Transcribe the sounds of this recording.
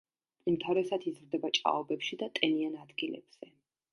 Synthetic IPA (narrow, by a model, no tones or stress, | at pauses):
umt̪ʰaɾɛsad̪izɾd̪ɛbat͡ʃʼa̰ɔbɛpʃid̪at̪ʼɛnianad̪ɡilɛ̰b̥z̥ɛ